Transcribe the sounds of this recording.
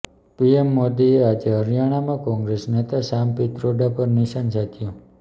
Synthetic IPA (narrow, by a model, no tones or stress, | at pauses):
piemːod̪iead͡ʒeɦəɾjaɽ̃amãkɔ̃ŋɡɾesnet̪asampit̪ɾoɖapəɾniʃansat̪ʰijõ